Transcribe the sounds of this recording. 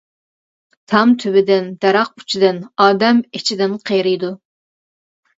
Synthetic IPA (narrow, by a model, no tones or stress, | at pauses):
t̪ʰɑmt̪ʰybɪd̪ɪnd̪̥ɛɾɑq̚y̥t͡ʃʰid̪ɪnɑːd̪ɛmet͡ʃʰid̪ɪnqʰejɾɨjd̪u